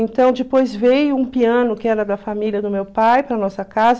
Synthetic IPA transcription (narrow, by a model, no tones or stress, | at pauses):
ẽnt̪ɐ̃w̃d͡ʒɪpojzvejʊũpiɐ̃nʊkɪɛɾɐd̪ɐfamilʲiɐd̪ʊmewpajpɾɐnɔsɐkaz